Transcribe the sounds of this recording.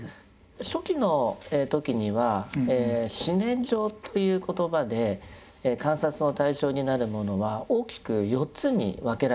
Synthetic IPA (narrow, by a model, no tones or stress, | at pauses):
ɕo̞kʲino̞et̪o̞kʲiɲ̟iβaeɕinẽ̞ɲd͡ʑo̞ːt̪ʰo̞jɯ̟ːko̞t̪o̞bad̪e̞ | kãɰ̃sat͡sɨno̞t̪aiɕo̞ːɲ̟inaɾɯ̟mo̞no̞βao̞ːkʲi̥kɯ̟jo̞tt͡sɨɲ̟ḭβake̞ɾa